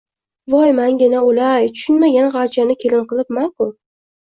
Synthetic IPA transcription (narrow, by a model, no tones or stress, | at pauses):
vɒjmaŋɡʲɪnaolajt̪ʰʊ̥ʃʊnmaɡʲanʁɑɾt͡ʃʰanɪkʲʰe̞lɪnqɨlˠɪpmankʊ